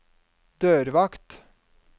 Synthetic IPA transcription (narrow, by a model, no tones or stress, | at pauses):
d̪̥øːɾʋɑkt̪